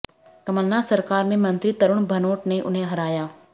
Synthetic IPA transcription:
kɐməlːasɐɾkaːɾmẽmɐ̃nt̪ɾit̪ɐɾʊɽ̃bʱɐnoːʈneʔʊ̰nɦẽɦɐɾaːjaː

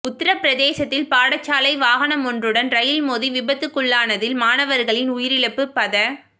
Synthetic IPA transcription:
ʊt̪ːɪɾɐpːɪɾɐðeːsɐt̪ːɪlpaːɽɐt͡ʃːaːlɐɪʋaːɣɐnɐmɔndrɯɽɐnɾɐjɪlmoːðiʋɪbɐt̪ːɯkːʊɭːaːnɐðɪlmaːnɐʋɐɾɣɐɭɪnʊjɪɾɪɭɐpːɯpːɐðɐ

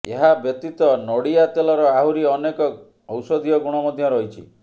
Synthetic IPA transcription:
eɦabjɔt̪it̪ɔnɔɽiat̪elɔɾɔaɦuɾiɔnekɔ | ɔwsɔd̪ʱijɔɡuɽ̃ɔmɔd̪ʱjɔɾɔɦit͡ʃʰḭ

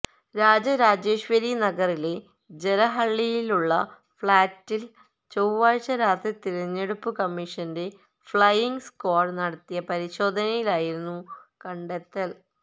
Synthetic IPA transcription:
ɾaːd͡ʑɐɾaːd͡ʑeːɕʋɐɾinɐɡɐrile̞ | d͡ʑelɐɦɐɭːijiluɭːɐ | fɭaːtːil | t͡ɕowʋaːɻt͡ɕɐɾaːt̪ʰit̪iɾɐɲːeɽupːɨkɐmːiʂɐnde̞ | fɭɐjiŋɡskoːɖnɐɽɐt̪ːijɐpɐɾiɕo̞ːd̪ʱɐnɐjilaːjiɾunːukɐɳɖet̪ːɐl

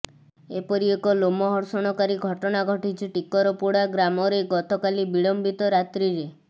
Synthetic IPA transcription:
epɔɾiekɔlomɔɦɔɾsɔɽ̃ɔkaɾiɡʱɔʈɔnaɡʱɔʈit͡ʃʰiʈikɔɾɔpuɽaɡɾamɔɾeɡɔt̪ɔkalibiɭɔmbit̪ɔɾat̪ɾiɾe

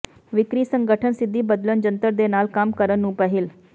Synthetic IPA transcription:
ʋɪkɾiːsə̃ŋɡəʈʰənsɪd̪ʱːiːbəd̪lənd͡ʒənt̪əɾd̪enaːlkaːmkəɾənːũːpəɦil

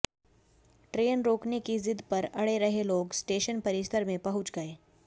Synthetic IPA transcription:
ʈɾeːnɾoːknekizɪd̪pɐɾɐɽeɾɐɦeloːɡsʈeːʃənpɐɾɪʃt̪ʰəɾmẽpɐɦʊt͡ʃɡəeː

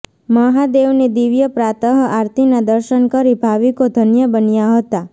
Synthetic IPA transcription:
məɦad̪eʋned̪iʋjəpɾat̪əɦəʔaɾt̪inad̪əɾʃənkəɾibʱaʋikod̪ʱənjəbənjaɦət̪a

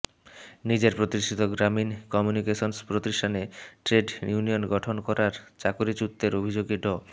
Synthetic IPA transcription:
nid͡ʑeɾpɾot̪iʃʈʰit̪oɡɾaminkɔmjunikeʃonspɾot̪iʃʈʰaneʈɾeɖjunijonɡɔʈʰonkɔɾaɾt͡ɕakoɾit͡ɕut̪ːeɾobʱid͡ʑoɡiɖɔ

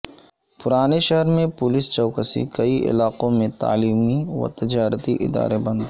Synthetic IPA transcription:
pʊɾaːneʃɐɦɾmẽpʊlɪst͡ʃɔːkəsḭkɐiʔɪ̰laːqõmẽt̪a̰ːliːmiʋɐ̰t̪ɪd͡ʒaːɾət̪iʔɪ̰d̪a̰ːɾebɐ̃nd̪

